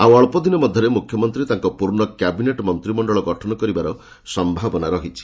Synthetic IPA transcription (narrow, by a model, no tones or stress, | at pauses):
awɔɭpɔd̪ʱinɔmɔd̪ʱjɔɾemukʰjɔmɔnt̪ɾit̪aŋkɔpuɾɳɔkjabineʈmɔnt̪ɾimɔɳɖɔɭɔɡɔʈʰɔnɔkɔɾibaɾɔ | sɔmbʱabɔnaɾɔɦit͡ʃʰi̥